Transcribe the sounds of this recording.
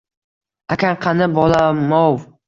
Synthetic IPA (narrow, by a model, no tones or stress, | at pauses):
akʰʲaɴqʰɑnɪbɒlamɒw